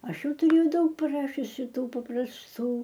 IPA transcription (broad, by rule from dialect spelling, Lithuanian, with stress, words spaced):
ˈɐʃ ˈjɛʊ tʊˈrʲeːjɛʊ ˈdɐʊk pʲrʲɪˈrɑːʃʲʊsʲɪ ˈtuː pɐprɐsˈtuː